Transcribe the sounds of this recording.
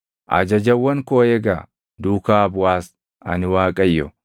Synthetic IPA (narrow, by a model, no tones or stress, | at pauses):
ʔɐ̰d͡ʒɐd͡ʒɐwːɐŋkoːjɛɡaː | d̪uːkaːbʊwaːs | ʔɐ̰nɪwaːkʼɐjːɔ̰